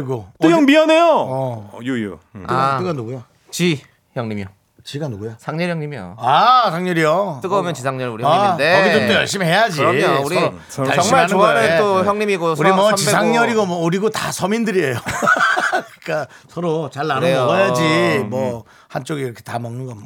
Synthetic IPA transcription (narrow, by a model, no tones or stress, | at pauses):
iɡot͈ɯjʌŋmianejoʌ | at͈ɯɡanoɡujo | t͡ɕi | çʌŋɲimjo | t͡ɕiɡanoɡujosʰaŋɲʌɾjʌŋɲimijo̰asʰaŋɲʌɾijot͈ɯɡʌomjʌnt͡ɕisʰaŋɲʌɾuɾiadeʌɡiɯojʌɭɕ͈imihe̞jad͡ʑiouɾi | kaaɯnɡʌnɯnoçjʌŋɲimiɡouɾimʌt͡ɕisʰaŋɲʌɾiɡomwʌuɾiɡotasʰʌmindɯɾiejo | kɯik͈a | sʰʌɾot͡ɕaɭːaɾooʌjad͡ʑimwʌ | hant͡ɕ͈oɡiːɾʌkʰetamʌŋnɯnɡʌmʌ